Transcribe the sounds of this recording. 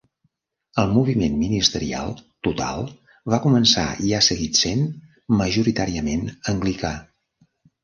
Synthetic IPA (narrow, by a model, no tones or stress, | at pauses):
əlˠmuβ̞imenminist̪əɾia̰lˠt̪ut̪a̰lˠ | βakumənsa̰iasəɣit̪sen | məʒuɾit̪aɾiəmenəŋɡlika